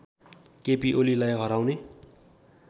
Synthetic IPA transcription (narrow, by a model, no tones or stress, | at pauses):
kepiʔolilajɦʌɾawne